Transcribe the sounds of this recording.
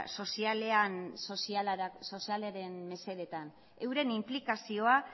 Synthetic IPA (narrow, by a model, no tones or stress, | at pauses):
so̞sialeansosialso̞sialeaɾe̞nme̞se̞ɾe̞t̪an | e̞wɾe̞nimplikasio̞a